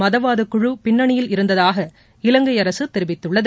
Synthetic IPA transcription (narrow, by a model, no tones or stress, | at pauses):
mɐðɐʋaːðɯkːʊɻɯpɪnːɐɳɪjɪlɪɾɯnd̪ɐðaːɣɐ | ɪlɐŋɡɐjɐɾɐsɯt̪ːɛɾɪʋɪt̪ːɯɭːɐð